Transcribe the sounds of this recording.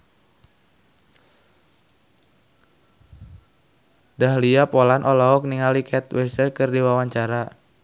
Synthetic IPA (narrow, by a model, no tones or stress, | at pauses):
dahliapɔlanʔɔlɔɔk̚niŋalikʰɛt̪wɛsərkɨrdiwawaɲt͡ʃaɾa